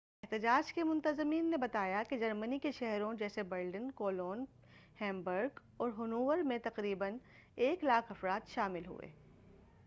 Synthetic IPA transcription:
ɪɦt̪ɪd͡ʒaːd͡ʒkemʊ̃nt̪əzɪmiːnːebɐt̪aːjaked͡ʒɐɾmənikeʃɛɦɾõd͡ʒɛːsebɐɾɖənkoːloːn | hɛ̃ːmbəɾɡ | ɔːɾɦʊnuːʋəɾmẽt̪ɐqɾiːbən | eːklaːkʰɐfɾaːt̪ʃaːmɪlɦṵḛː

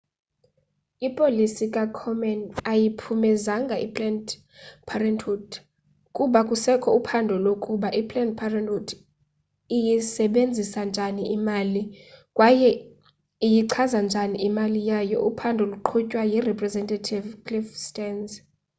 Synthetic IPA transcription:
ipʼolisikʼakʰɔmɛnajipʰumɛzaŋɡʱaʔipʰʼlɛn | pʰarɛntʰut | kʼuɓakʼusɛkʰɔupʰandʱɔlokʼuɓaʔipʰʼlɛnpʰarɛntutʰ | ijisɛɓend͡zʱisand͡ʒʱaniʔimalikʼwajɛ | ijiǀʰazand͡ʒʱaniʔimalijajɔʔupʰandʱɔluǃʰucʼwajirɛpʼrɛzɛntʼatʰivkʰʼlifstʼɛnz

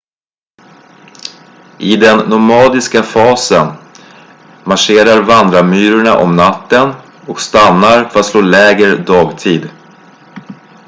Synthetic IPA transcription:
ʔɪd̪ɛnːʊmɑːd̪ɪskafɑːsən | maʂeːɾaɾvand̪ɾamyːɾʊɳaʔɔmnat̪ːən | ɔkst̪anːaɾfœɾat̪sloːlɛːɡɾəd̪ɑːɡt̪ʰiːd̪

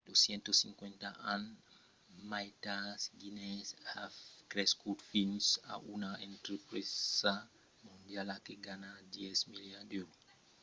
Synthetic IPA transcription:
d̪osjɛnt̪osiŋkwent̪aʔan | majt̪asɡinesakɾɛskut̪finsa̰ʔunaẽnt̪ɾepɾesa | mũnd̪jalakeɡanad̪jɛsmiljad̪o

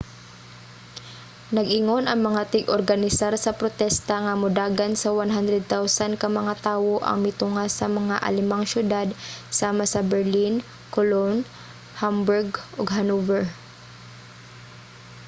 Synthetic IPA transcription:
nɐɡʔɪŋo̞nʔɐŋmɐŋat̪ɪɡʔoɾɡɐnɪsaɾsɐpɾot̪ɛst̪ɐŋɐmʊd̪aːɡansɐwanɦand̪ɾɛd̪̚t̪awsankɐmɐŋat̪aːwoʔɐ̰ŋmɪt̪ʊŋasɐmɐŋaʔɐ̰lɪmaŋʃjʊd̪ad̪saːmasɐbɛɹlin | kolon | hambʊɹɡʔoɡɦɐnuvɛɹ

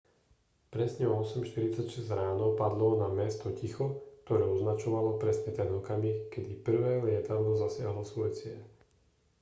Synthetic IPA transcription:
pɾɛsɲɛɔɔsɛmʃt̪iɾit͡sacʃɛzɾaːnɔʊpad̪lɔnamɛst̪ɔcixɔkt̪ɔɾɛːɔznat͡ʃɔʋalɔpɾɛsɲɛt̪ɛnɔkamikɛd̪ipr̩ʋɛːlɪɛt̪aʋlɔzasɪaɦlɔsʋɔjt͡sɪɛʎ

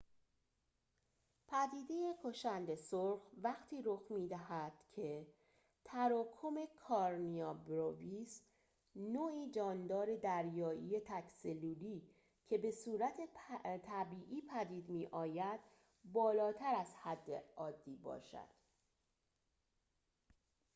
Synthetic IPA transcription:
pʰæd̪iːd̪e̞jekʰoʃænd̪e̞soɾxvæɣt̪ʰiːɾoxmiːd̪æhæd̪̥cʰe̞ | t̪ʰæɾɒːkʰome̞kʰɒɾniɒːbɾovis | noːiːd͡ʒɒːnd̪ɒːɾe̞d̪æɾjɒːʔiːje̞t̪ʰækseluːliː | cʰe̞be̞suːɾæt̪ʰet̪ʰæbiːʔiːpʰæd̪iːd̪miːʔɒːjæd̪̥ | bɒːlɒːt̪ʰæɾæzhæd̪ːḛɒːd̪ːiːbɒ̰ːʃæ̰d̪̥

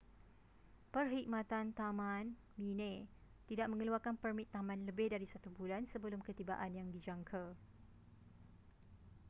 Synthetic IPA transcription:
pərɦik̚mãt̪ant̪amãn | minẽ | t̪idaʔ̚mə̃ŋəluarkanpərmit̪ːamãnləbɪhdaɾisat̪ubulansəbəlʊmkət̪iba̰ʔanjaŋdid͡ʒaŋkʰa

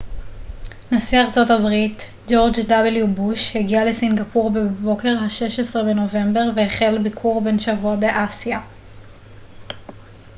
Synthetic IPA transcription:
nasiaʁt͡so̞tabʁit | d͡ʒo̞ʁd͡ʒdabeljubuʃheɡialesinɡapuʁbe̞bo̞ke̞ʁhaʃe̞ʃesʁebe̞no̞ve̞mbe̞ʁveeχe̞lbikʰuʁbe̞nʃavuabe̞ʔasja

